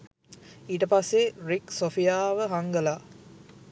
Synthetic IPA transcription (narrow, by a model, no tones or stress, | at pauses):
iːʈəpasːeriksofijaːʋəɦaŋɡəlaː